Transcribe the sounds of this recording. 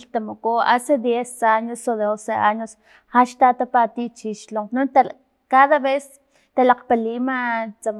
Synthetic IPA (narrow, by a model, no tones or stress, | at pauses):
lt̪amokoased̪jesaɲosodeoseaɲos | χaʃt̪at̪apat̪it͡ʃiʃloŋqnont̪a | kaðaβes | t̪alaq͡χpalimat͡sam